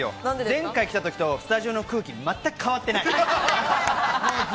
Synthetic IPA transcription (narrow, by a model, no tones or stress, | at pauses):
jo̰nãzẽ̞ŋkaikʲi̥t̪at̪o̞kʲi̥t̪o̞sɨ̥t̪aʑio̞no̞kɯ̟ːkʲimat̪ːakɯ̥kʰːaβat̪ːe̞nai